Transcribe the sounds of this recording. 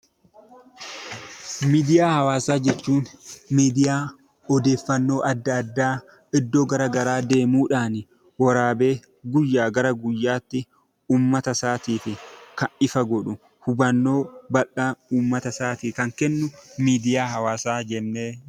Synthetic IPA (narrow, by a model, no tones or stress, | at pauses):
miːd̪ɪjaːhɐwaːsaːd͡ʒɛt͡ʃːuːnmiːd̪ɪjaː | ɔd̪e̞ːfːɐnːo̞ːʔɐd̪ːɐd̪ːaː | ɪd̪ːoːɡɐɾɐɡɐɾaːd̪e̞ːmuːᶑaːnɪ | wɐɾaːbe̞ː | ɡʊjːaːɡɐɾɐɡʊjːaːt̪ːɪ | uːmːɐt̪ɐsaːt̪iːfɪkɐnɪfɐɡɔᶑʊ | hʊbɐnːo̞ːbɐʔauːmːɐt̪ɐsaːt̪ikɐŋkɛnːʊmiːd̪ɪjaːhɐwaːsaːd͡ʒɛnːeː